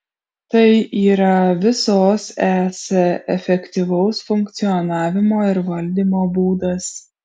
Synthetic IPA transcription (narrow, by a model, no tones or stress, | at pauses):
t̪ɐɪʔiːɾɐʋʲɪsoːsæːsʲɛɛfʲɛkʲt̪ʲiːʋɐʊsfʊŋkt̪sʲɪjɔnɑːʋʲɪmoːɪɾʋɐlʲd̪ʲiːmoːbuːd̪ɐs